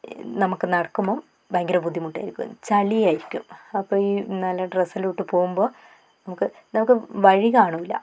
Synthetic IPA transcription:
nɐmukːɨnɐɽɐkːumboː | bɐːŋɡɐɾɐpud̪ʱːimuʈːa̰ːjiɾikʲːṵṵmt͡ɕɐlijaːjiɾikʲːumɐpːo̞ːiːnɐlːɐɖresiluʈːɨpo̞ːɣumbo̞ː | nɐmukːɨ | nɐmukːɨʋɐɻikaːɳuʋilːɐ̰

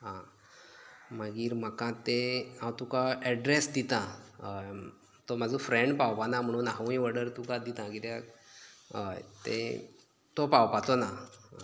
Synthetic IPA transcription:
ɦã | m̤əɡiːɾm̤əkãt̪eãwt̪ũkaɛɖɾesd̪it̪ãɦəj | t̪omad͡zũfɾẽɳɖpawpanam̤əɽ̃ũːnɦaʋĩʋəɽəɾt̪ũkad̪it̪ãkit̪a | ɦə̰jt̪ḛ̃ | t̪opawpat̪ona

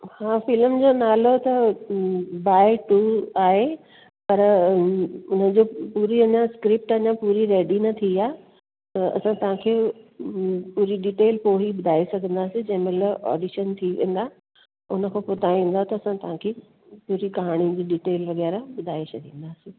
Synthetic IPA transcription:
hãːfɪlmd͡ʑoːnaːlot̪ɐ | baːɪʈuːaːɦe | pɐɾ | ʊnəd͡ʑopuːɾiɐɲãskɾɪp̚ʈɐɲãpuːɾiɾeːɖinɐt̪ʰiiaː | t̪ɐ̰sãt̪ɐʋ̤ãkʰeː | puːɾiɖiːʈeːlpoːɦibʊd̪ʱaːesɐɡʱə̃nd̪aːsĩd͡ʑɐ̃ɦɪ̃melɔ̰ːɖiʃənt̪ʰiʋḛ̃ːnd̪aː | ʊnə̆kʰopʊt̪aĩːn̆d̪aɦot̪ɐɐsãt̪ɐʋ̤ãkʰeː | puːɾikɐɦaːɽ̃id͡ʑiːɖiːʈeːlʋɐɣɛːɾabʊd̪ʱaːet͡ɕʰɐd̪ʱĩːn̆d̪aːsĩ

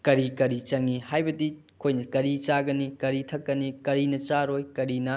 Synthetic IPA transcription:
kɐɾikɐɾit͡ʃɐŋihajbɐdi | kʰojnɐkɐɾit͡ʃaɡɐnikɐɾitʰɐkːɐnikɐɾinɐt͡ʃaɾojkɐɾinɐ

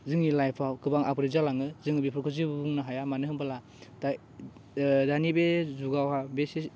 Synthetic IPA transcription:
zɯŋilajpʰawkɯbaŋapɾezalaŋɯzɯŋibipʰɯɾkʰɯzibuŋnaɦajamanɯɦɯmpala | ta | danibezuɡawhabesi

